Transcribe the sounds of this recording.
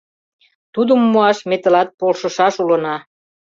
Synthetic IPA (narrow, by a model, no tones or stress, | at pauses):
t̪ud̪əmːuɑʃmet̪ə̆lɑt̪̚polʃəʃɑʃulənɑ